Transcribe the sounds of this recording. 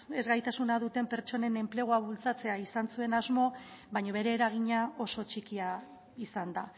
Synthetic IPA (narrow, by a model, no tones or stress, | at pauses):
ezɣajt̪asunaðut̪e̞mpe̞ɾt͡ʃo̞ne̞ne̞mple̞ɣ̞oaβult͡sat͡se̞aisansue̞nazmo̞ | βajɲoβe̞ɾe̞ːɾaɣ̞iɲao̞so̞t͡ʃikia | isand̪a